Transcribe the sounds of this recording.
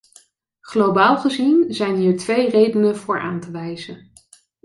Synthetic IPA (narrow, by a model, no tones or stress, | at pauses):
χlowbaːlˠχəzinzɛjnɦiːɹtʋejrejdənəv̥ʊːɹʔa̰ːntəʋɛjzən